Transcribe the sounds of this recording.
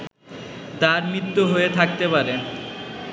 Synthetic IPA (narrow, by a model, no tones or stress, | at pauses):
t̪aɾmit̪ːoɦoet̪ʰak̚t̪epaɾe